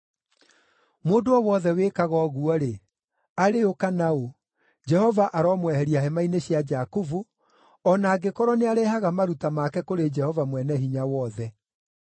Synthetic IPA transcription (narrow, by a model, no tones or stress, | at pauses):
moːndoɔwɔðɛwekaɣɔɣuɔɾe | aɾeokanao | d͡ʒɛhɔvaʔaɾɔmwɛhɛɾiaɦɛmaineɕjad͡ʒakuvu | ɔnaːɡekɔɾɔneaɾɛhaɣamaɾutamakɛkoɾed͡ʒɛhɔvamwɛnɛɦiɲawɔðɛ